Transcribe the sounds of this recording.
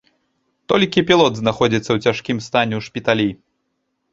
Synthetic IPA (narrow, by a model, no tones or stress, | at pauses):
t̪ɔlʲkʲipʲilˠɔd̪znaxɔd͡zʲit̪sːɐwt͡sʲaʂkʲimst̪anʲɛʂpʲit̪alʲi